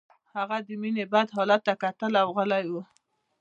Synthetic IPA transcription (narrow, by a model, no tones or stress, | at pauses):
haɣad̪əminebad̪ɦɑlat̪ːakat̪əlawɣəlajwu